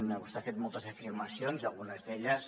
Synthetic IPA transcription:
mnəɣust̪afet̪molˠt̪əzəfirməsionzalˠɣunəzðeʎəs

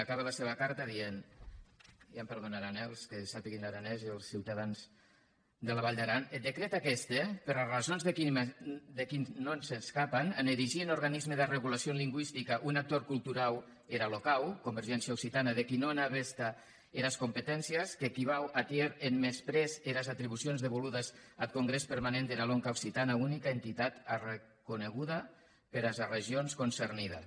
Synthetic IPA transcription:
akaβ̞elaseβakaɾt̪aðien | jampeɾðonaɾanɛlˠskesapiɣinaɾanɛzielˠsːiwt̪aðanz | d̪elaβaʎʲd̪aɾaned̪ekɾet̪akɛst̪epeɾrazonzðekid̪ekinnonseskapananeɾiʒienoɾɣanizmeðereɣulasionliŋɡwist̪ikaʔunak̚t̪oɾkulˠt̪uɾaw | eɾalokawkombeɾʒɛnsjaowksit̪anaðekinoenaβest̪a | eɾaskompet̪ɛnsiəskekiβ̞awat̪jeɾenmespɾɛzeɾazat̪ɾiβusionzðeβoluðazalkoŋɡɾespeɾmanẽnd̪enaloŋkawksit̪anaunikaent̪it̪at̪are | kuneɣuða | peɾazareʒionskonserniða̰

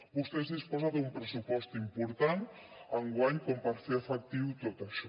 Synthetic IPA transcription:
bust̪ezðispozat̪umpɾəsupɔst̪impuɾt̪an | əŋɡwaɲkompaɾfeəfək̚t̪iwt̪ot̪aʃɔ

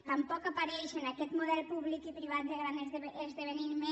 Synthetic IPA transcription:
t̪ampɔkapaɾɛjʃenakɛt̪moðɛlpuβlikipɾiβat̪̚d̪eɣɾanezeeezðeβeniɾme

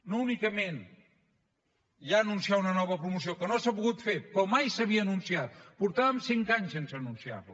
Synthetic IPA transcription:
nounikəmen | ʒaːnunsiaunənɔβ̞əpɾumusiokənoasəpuɣut̪fepɾɔmajsəβ̞iəːnunsiat̪̚puɾt̪aβəmsiŋkaɲsensəːnunsia̰ɾlu

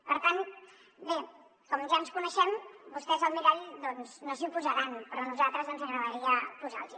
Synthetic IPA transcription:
pəɾt̪ant̪ | be | kɔmnʒanskunəʃɛmbust̪ɛzəlˠmiɾɛʎd̪ɔnznozimpuzəɾanpɾɔnuzalˠt̪ɾəzðɔnzəŋɣɾəβəɾiəpuza̰lˠzi

